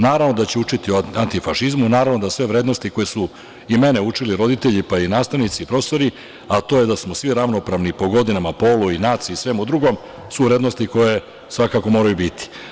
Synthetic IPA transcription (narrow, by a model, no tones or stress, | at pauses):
naːɾaʋno̞d̪at͡ɕeut͡ʂit̪ioant̪ifaʃizmunaːɾaʋnod̪asʋe̞ʋɾe̞ːd̪no̞st̪iko̞jesu | ime̞ne̞ut͡ʂiliɾo̞d̪it̪eʎipainaːst̪aʋnit̪siːpɾo̞ːst̪o̞ɾi | at̪o̞ːje̞d̪asmosʋiɾaʋno̞pɾaʋnipo̞ɡo̞d̪inamapo̞luinaːt̪siːsʋe̞mud̪ɾuɡo̞m | suʋɾe̞ːd̪no̞st̪iko̞je̞ | sʋakaːko̞mo̞ːɾajubit̪i̥